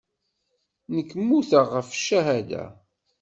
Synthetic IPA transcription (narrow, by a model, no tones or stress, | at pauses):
nəkːmːuθaʁəfʃæɦæd̪æ̰